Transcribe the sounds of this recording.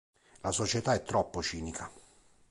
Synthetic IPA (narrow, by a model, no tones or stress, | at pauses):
lasot͡ʃet̪aɛt̪ːɾɔpːot͡ʃiːnikʰa